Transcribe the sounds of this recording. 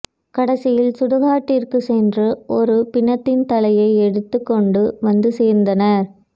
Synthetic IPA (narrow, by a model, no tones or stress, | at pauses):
kɐɽɐsɪjɪlsʊɽʊɣaːʈːirkɯsɛndrɯʔɔɾɯpɪɳːɐt̪ːɪnt̪ɐlɐjɐɪɛɽɯt̪ːɯkːɔɳɖɯʋɐnd̪ɯseːɾnd̪ɐnɐɾ